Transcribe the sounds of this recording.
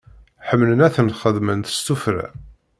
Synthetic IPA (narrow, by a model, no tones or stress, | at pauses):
ħəmlənæθənχəðmənt̪ə̥st̪ufɾæ̰